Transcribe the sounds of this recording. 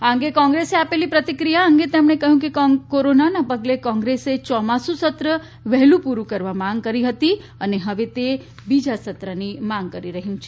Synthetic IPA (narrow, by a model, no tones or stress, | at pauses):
aə̃ŋ̆ɡekɔ̃ŋɡɾeseapelipɾət̪ikɾijaəŋɡet̪emɳ̃ekəɦjũkekoɾonanapəɡlekɔ̃ŋɡɾeset͡ʃɔmasũsət̪ɾə | ʋɛɦlũpuɾũkəɾʋamãŋɡkəɾiɦət̪i | əneɦəʋet̪e | bid͡ʒasət̪ɾənimãŋɡ̚kəɾiɾəɦjũt͡ʃʰe